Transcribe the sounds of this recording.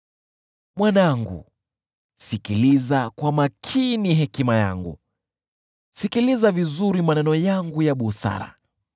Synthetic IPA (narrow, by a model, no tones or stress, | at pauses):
mwanaŋɡṵ | sikilizakwamakʰiniɦɛkimaja̰ŋɡṵ | sikilizavizuɾimanɛnɔjaŋɡujaɓusa̰ɾa̰